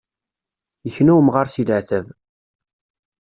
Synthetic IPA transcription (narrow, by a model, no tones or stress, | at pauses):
jəçnæwəmʁaɾˤsiləʕθæv